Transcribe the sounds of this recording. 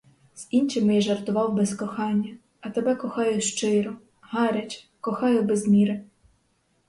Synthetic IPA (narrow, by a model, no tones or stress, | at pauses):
z̥int͡ʃɪmɪjɛʒɐrt̪ʊʋɑwbɛskɔxɑnʲːɐ | ɐt̪ebɛkɔxɑjʊʃt͡ʃɪɾɔ | ɦɑɾʲɐt͡ʃʲ | kɔxɑjʊbɛzmʲiɾɪ